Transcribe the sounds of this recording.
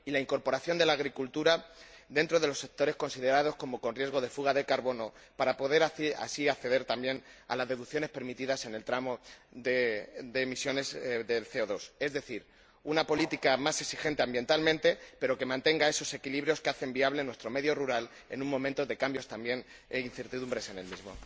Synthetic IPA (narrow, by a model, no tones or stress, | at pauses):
ilaiŋko̞ɾpo̞ɾaθjo̞nd̪e̞laːɣɾikult̪uɾad̪e̞nt̪ɾo̞ð̞e̞lo̞sːe̞k̚t̪o̞ɾe̞sko̞nsiðe̞ɾað̞o̞sko̞mo̞ko̞nrje̞zɣo̞ðe̞fuɣ̞aðe̞kaɾβo̞no̞ | paɾapo̞ðe̞ɾaa̰siakθe̞ðe̞ɾt̪ambje̞na̰lazðe̞ðukθjo̞ne̞spe̞ɾmit̪iðase̞ne̞lt̪ɾamoðed̪e̞misjo̞ne̞zðe̞lθe̞oðo̞se̞zðe̞θiɾ | unapo̞lit̪ikamase̞ksixe̞nt̪e̞ambje̞nt̪almẽ̞nt̪e̞pe̞ɾo̞ke̞mãnt̪eŋɡae̞so̞se̞kiliβɾjo̞skeaθe̞mbiaβle̞nwest̪ɾo̞me̞ðjo̞ruɾal | e̞̰nũŋmõ̞mẽnt̪o̞ðe̞kambjo̞st̪ambje̞n | einθe̞ɾt̪iðumbɾe̞se̞ne̞lmizmo̞